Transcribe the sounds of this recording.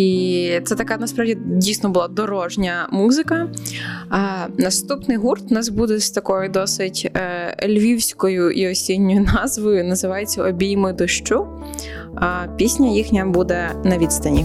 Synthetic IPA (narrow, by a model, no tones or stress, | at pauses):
it̪sɛt̪ɐkanɐspɾɑwdʲidʲijsnɔbʊlˠɑd̪ɔɾɔʒnʲɐmuzɪkɐ | nɐst̪upnɪjɦurt̪nɑsbud̪ɛst̪ɐkɔjʊd̪ɔsɪtʲːlʲʋʲiwsʲkɔjʊʔiɔsʲinʲːɔjʊnɑzʋɔjʊnɐzɪʋɑjet͡sʲːɐʔɔbʲijmɪd̪ɔʃt͡ʃu | pʲisʲnʲɐjixnʲɐbud̪ɛnɐʋʲit̪st̪ɐnʲi